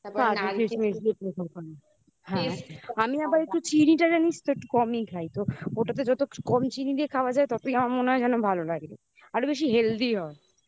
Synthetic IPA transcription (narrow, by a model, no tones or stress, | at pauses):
kad͡ʒkemesepɾekʰolkɔna | ɦɛ̃amiabaɾek̚ʈut͡ɕiniʈad͡ʑanit͡ɕt̪oek̚ʈukɔmikʰajt̪ooʈat̪̬ed͡ʑɔt̪okɔmt͡ɕinid̪iekʰaoad͡ʑaet̪ɔt̪oijamaɾmoneɦɔed͡ʑɛnobʱalolaɡlḛ | aɾobeʃ̬iɦeld̪iɦɔe